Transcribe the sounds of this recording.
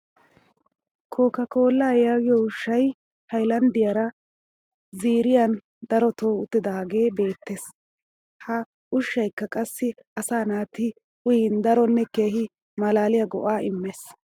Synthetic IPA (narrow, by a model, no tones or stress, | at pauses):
kʰo̞ːkɐko̞ːlːaːjaːɡɪjɔʊʃːɐj | hɐjlɐnd̪ɪjɐɾɐ | ziːɾɪjɐn | d̪ɐɾɔt̪oːʊt̪ːɪd̪ɐaɡe̞ːbe̞ːt̪ːe̞ːs | hɐ | ʊʃːɐjkːɐkʼɐsːɪ | ɐsaːnaːt̪ɪ | ʊjɪnd̪ɐɾɔnːɛke̞ːɦɪ | mɐlaːlɪjɐɡɔʔaːɪmːeːs